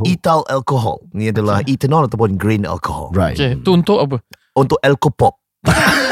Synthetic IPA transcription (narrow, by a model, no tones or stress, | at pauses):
italɛ̰lkoɦɔ̰lniadəlaitənɔlɛt̪əpɔ̃nɡɹĩnɛ̰lkohɔ̰lɹaket̪uunt̪ʊʔap̬ə | unt̪ʊʔɛlkopɔp̚